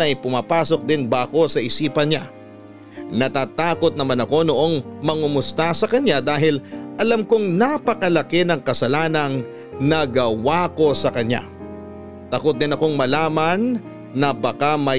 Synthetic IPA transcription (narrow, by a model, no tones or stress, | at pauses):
ɐjpʊmaːpaːso̞k̚d̪ɪnbaːko̞sɐʔɪsiːpɐnɲa | nɐt̪aːt̪aːko̞t̪̚nɐmanɐko̞noʔo̞ŋmɐŋʊmʊst̪asɐkɐɲad̪aːɦɪlʔɐlamkoŋnapɐkɐlɐkɛnɐŋkɐsɐlaːnɐŋ | nɐɡɐwako̞sɐkɐna̰ | t̪ɐkot̪̚d̪ɪnɐko̞ŋmɐlaːmɐnː | ɐbɐkamɐ